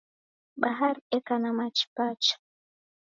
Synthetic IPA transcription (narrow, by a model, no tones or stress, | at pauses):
ɓaɦaɾekanamat͡ʃi̥pat͡ʃḁ